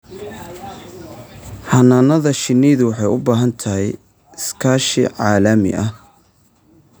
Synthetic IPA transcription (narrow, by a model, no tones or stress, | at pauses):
ħɑnaːnɐðɐʃɪnɛjðʊwɑħɑjʊbaːɦɐnt̪ʰɐɦɛj | ɪskʰaːʃɪ̰ʕɑːlɐmɪ̰ʔɐ